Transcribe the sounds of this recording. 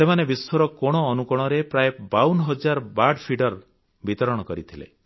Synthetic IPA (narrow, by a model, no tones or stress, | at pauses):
semanebisoɾɔkɔɽ̃ɔːnukɔɽ̃ɔɾepɾajebawnɦɔd͡ʒaɾbaɖpʰiɖɔɾ | bit̪ɔɾɔɽ̃ɔkɔɾit̪ʰilḛ